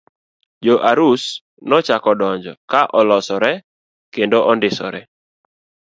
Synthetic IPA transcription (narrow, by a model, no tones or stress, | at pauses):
d͡ʒoʔaɾus | nɔt͡ʃakɔdɔɲd͡ʒɔ̰kaʔɔlɔsɔɾɛ | kendoʔɔndɪsɔ̰ɾɛ